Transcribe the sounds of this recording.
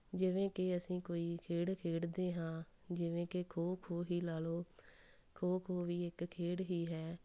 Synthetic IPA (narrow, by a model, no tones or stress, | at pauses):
d͡ʒɪʋẽːkɪəsĩːkoːiːkʰeːɽkʰeːɽd̪eːɦãː | d͡ʒɪʋẽːkekʰoːkʰoːɦiːlaːloː | kʰoːkʰoːʋiːɪkkʰːeːɽɦiːɦɛː